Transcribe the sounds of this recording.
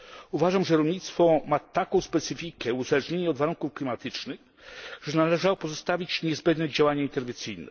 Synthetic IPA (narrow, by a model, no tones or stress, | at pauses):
uvaʐamʐɛɾɔlɲit̪st̪fɔmat̪akɔ̃w̃spɛt̪sɘfʲikɛuzalɛʐɲeɲɛɔd̪vaɾuŋkufklʲimat̪ɘt͡ʂnɘx | ʐɛnalɛʐawɔpɔzɔst̪avʲit͡ɕɲɛzbɛnd̪nɛd͡ʑawaɲaint̪ɛɾvʲɛntsɘjnɛ̰